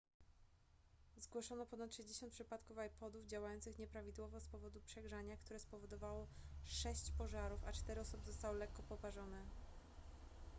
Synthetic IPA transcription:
zɡwɔʂɔnɔpɔnat̪ʂɛd͡ʑeɕɔnt̪pʂɘpat̪kufajpɔd̪uvd͡ʑawajɔnt̪sɘxɲɛpɾavʲid̪wɔvɔspɔvɔd̪upʂɛɡʐaɲakt̪uɾɛspɔvɔd̪ɔvawɔʂɛɕt͡ɕpɔʐaɾufat͡ʂt̪ɛɾɔsubzɔst̪awɛlɛkːɔpɔpaʐɔnɛ

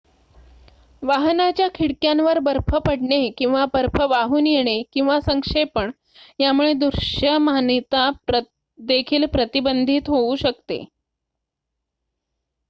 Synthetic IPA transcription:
ʋaɦnat͡ɕjakʰiɽkjãnʋəɾbəɾpʰəpəɽɳekĩw̃ʋapəɾpʰəʋaɦuːnjeɽ̃ekĩw̃ʋasəŋkʂepəɳ | jamuɭed̪uɾʂəməɦanit̪aə | d̪ekʰiːlpɾət̪ibənd̪ʱiːt̪ɦouɕəkt̪ḛ

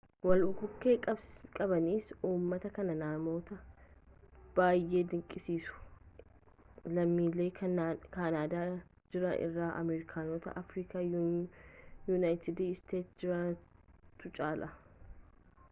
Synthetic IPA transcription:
wɐlʊɡʊkːe̞ːkʼɐbskʼɐbɐniːsuːmːɐt̪ɐkɐnɐnaːmo̞ːt̪ɐ | b̥aːjʔe̞ːd̪ɪŋkʼɪsiːsʊ̥ | lɐmːiːle̞ːkɐnaːd̪aː | d͡ʒɪɾɐʔɪ̰rːaːʔɐ̰mɛɾɪkʰaːnot̪ɐ̰ʔɐfɾiːkaː | juːnajt̪ɪd̪ist̪eːt̪d͡ʒɪɾɐ | t̪ʊt͡ʃʼaːlʔɐ

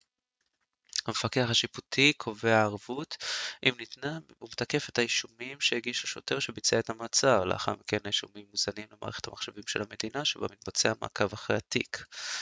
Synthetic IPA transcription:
hamefake̞aχaʃiputʰikʰo̞ve̞aːʁvutʔimnitna | umet̪ake̞fetaiʃumimʃeeɡiʃaʃo̞te̞ʁʃebit͡seethamat͡savlḛa̰χa̰ʁmike̞najiʃumimːuzanimlema̰ːʁeχethamaχʃevimʃe̞lhame̞d̪inaʃeba̰mit̪bot͡seama̰kavaχʁejatḭk

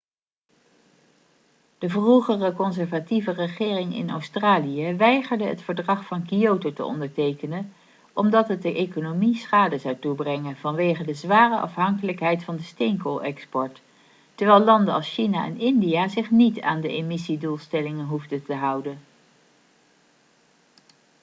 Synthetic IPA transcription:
d̥əvruχərəkɔnzɛɹvativərəχɪːrɪŋɪ̰no̰wstraːlijəʋɛjχəɹdəə̰tfəɹdrɑχfɑnkiowtotə̰ɔ̰ndəɹtejkənən | ɔmdɑtət̚dəʔejkonomisχaːdəzɑwtubrɛŋənvɑnʋejχədəzʋaːrəʔɑ̰fɦɑŋkələkɦɛjtfɑndəstejŋkolˠɛkspɔɹtː | əɹʋɛjlɑndəɑ̰lˠsʃinaɛ̰nɪndijaːzɪχnita̰ːndəʔemɪsidulˠstɛlɪŋənɦuvdətəɦʌwdən

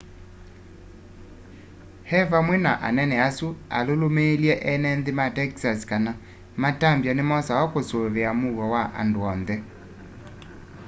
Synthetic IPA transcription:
hɛvamwenaʔanɛnɛasua̰lolomeːljɛʔɛnɛnðematɛksaskana | matambjanemɔsaɔkosoβeamoɣɔwaʔa̰ndoɔnðɛ

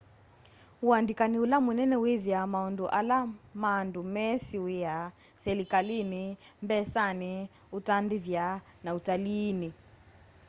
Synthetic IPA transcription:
uandikaniulamunɛnɛwiðjamaɔnduʔalamandumɛsiwia | sɛlikalinimbɛsani | utandiðja | nautalini

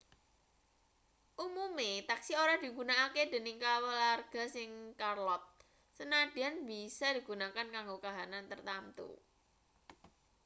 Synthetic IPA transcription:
ʔumumet̪aksioɾad̪̥iɡunaːked̪ə̤nɪŋkawəlarɡ̥a̤sɪŋkarlɔt̪̚ | sənad̥ianbisad̥i̤ɡ̥ṳnakankaŋɡokaɦanant̪ərt̪ant̪ṵ

